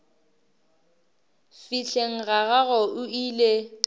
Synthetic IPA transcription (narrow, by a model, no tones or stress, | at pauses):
fiɬeŋ̩ɣaɣaɣɔʔʊiːle